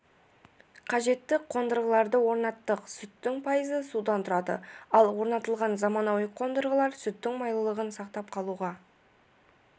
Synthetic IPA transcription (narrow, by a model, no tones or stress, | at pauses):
qʰɑʒe̞t̪ːɪqʰo̞nd̪əɾʁəlˠɑɾd̪əwo̞ɾnɑt̪ːəqsʏt̪ːɪŋpʰɑjəzəsud̪ɑnt̪ʰʊɾɑd̪ə̰ɑlˠwo̞ɾnɑt̪əlˠʁɑnzɑmɑnɑwjəqʰːo̞nd̪əɾʁəlˠɑɾsʏt̪ːɪŋmɑjlˠəlˠəʁənsɑqt̪ɑpqʰɑlˠuʁɑ